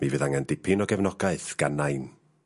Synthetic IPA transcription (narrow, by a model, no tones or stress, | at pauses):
mivɨðaŋandɪpʰɪnɔɡɛvnɔɡaɨθɡ̥anːajn